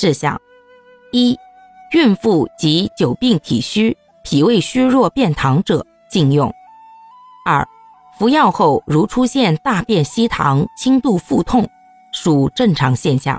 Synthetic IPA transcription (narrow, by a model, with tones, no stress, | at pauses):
ʈ͡ʂɻ̩˥˩ɕjɑ̰˥˩ŋ | i˥ | y˥˧nfu˥˩t͡ɕi˧˥t͡ɕjo˨˩ʊpi˥˩ŋt̪ʰi˨˩ɕy˥ | pʰi˨˩we˥˩ɪɕy˥ɻwɔ˥˧pjɛ˥˩nt̪ʰɑ˧˥ŋʈ͡ʂɤ˨˩˦ | t͡ɕi˥˧njʊ˥˩ŋ | ɐ̰˞˥˩ | fu˧˥jɑ˥˧ʊxo˥˩ʊɻu˧˥ʈ͡ʂʰu˥ɕjɛ˥˧nt̪a˥˧pjɛ˥˩nɕi˥t̪ʰɑ̰˧˥ŋt͡ɕʰi˥ŋt̪u˥˧fu˥˧t̪ʰʊ˥˩ŋ | ʂu˨˩ʈ͡ʂɤ˥˩ŋʈ͡ʂʰɑ˧˥ŋɕjɛ˥˧nɕjɑ̰˥˩ŋ